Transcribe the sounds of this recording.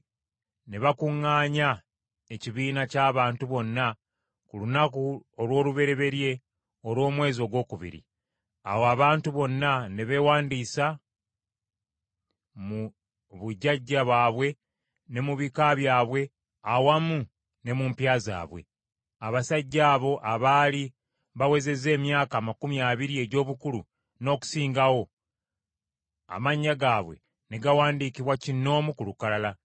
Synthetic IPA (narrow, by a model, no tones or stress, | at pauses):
ne̞βakuŋːaːɲa | e̞ciβiːnacaːβaːntuβo̞nːa | kulunakuolwo̞ːluβe̞ɾe̞βe̞ɾje̞ | o̞lwo̞ːmwe̞ːzio̞ɡwo̞ːkuβḭɾḭ | a̰woaβaːntuβo̞nːane̞βe̞waːndiːsa | mu | βuɟːaɟːaβwaːβwe̞ | ne̞muβikaβjaːβwe̞ | awamu | ne̞muːmpjaːza̰ːβwe̞̰ | aβasaɟːaːβo̞ʔaβaːli | βawe̞ze̞ze̞ːmjaːkaːmakumijaːβiɾie̞ɟo̞ːβukulu | no̞ːku̥siːŋɡawo̞ | a̰maɲːaɡaːβwe̞̰ | ne̞ɡawaːndikiβwacinːo̞ːmukulukalala